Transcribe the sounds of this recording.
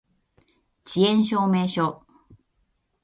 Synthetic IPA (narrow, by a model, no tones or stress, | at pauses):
t͡ɕiẽñɕ̬oːmeːɕo